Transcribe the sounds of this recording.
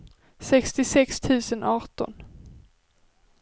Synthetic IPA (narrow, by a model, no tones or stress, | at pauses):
sɛkst̪ɪsɛkst̪ʰʉ̟ːsənʔɑːʈɔ̰n